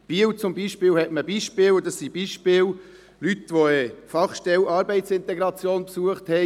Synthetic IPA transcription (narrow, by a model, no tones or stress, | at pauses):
b̥iːəwt͡sʊmbiʃpɪːlhɛtməbiʃpɪːld̪ɑsːib̥iːʃpɪːl | lyt̪ʋoɛfɑχʃtɛlɑːɾbɛɪtsɪnt̪ɛɡɾɑt͡sjoːnpsuəχt̪hɛ